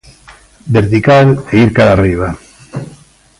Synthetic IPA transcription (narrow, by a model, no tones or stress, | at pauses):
beɾt̪ikaleiɾkaɾariβ̞a